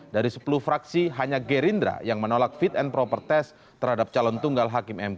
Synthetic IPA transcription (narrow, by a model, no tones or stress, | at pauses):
daɾisə̥puluhfɾaksiɦaɲaɡeɾind̪ɾa̰jaŋmənolak̚fit̪ɛnpɾɔpərt̪ɛs | t̪ərhadap̚t͡ʃalɔnt̪uŋɡalɦakɪmɛm